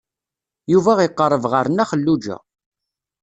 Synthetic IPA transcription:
juvæʁiqːərˤːəvʁəɾnæχəlːud͡ʒæ̰

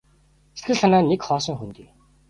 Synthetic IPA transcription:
se̥t̪ɡɘ̆ɮanaːnekχɔːsɞ̆ŋxunt̪iː

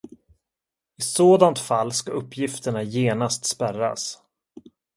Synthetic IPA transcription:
ɪsoːd̪ant̪falːskaɵpʰːjɪft̪əɳajeːnast̪spæra̰s

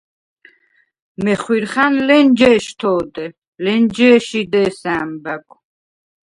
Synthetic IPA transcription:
mɛχwiɾχanlɛnd͡ʒɛːʃt̪ʰɔːd̪ɛ | lɛnd͡ʒɛːʃid̪ɛːsaːmbaɡu

